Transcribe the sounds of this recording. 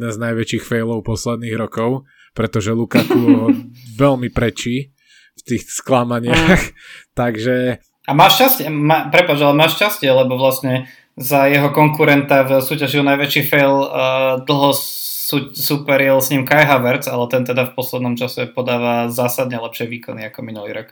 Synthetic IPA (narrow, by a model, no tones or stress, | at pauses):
nɛnznajʋɛt͡ʃiːxfɛjlɔʊpɔslɛd̪̚niːɣɾɔkɔʊ | pɾɛt̪ɔʒɛlukat̪u | ʋɛlmipɾɛt͡ʃiː | ft̪iːxsklamaɲɪaxt̪aɡʒɛ | amaːʃcascɪɛmaːpɾɛpat͡ʃalɛmaːʃcascɪɛlɛbɔʋlasɲɛ | zajɛɦɔkɔŋkuɾɛnt̪avsuːcaʒiɦɔnajʋɛt͡ʃifɛjld̪l̩ˠɦɔsusupɛɾɛlsɲimkajɦaʋaɾt͡salɛt̪ɛnt̪ɛd̪afpɔslɛd̪nɔmt͡ʃasɛpɔd̪aːʋazaːsad̪ɲɛlɛpʃɪɛʋiːkɔniakɔminulḭːɾɔk